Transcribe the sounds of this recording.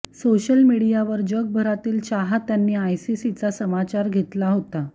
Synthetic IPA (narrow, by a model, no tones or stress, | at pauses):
soɕəlmiɽijaʋəɾd͡ʑəɡ̚bʱəɾat̪iːlt͡ɕaɦat̪janːiːajsisit͡sasəmat͡ɕaɾɡʱet̪laɦot̪a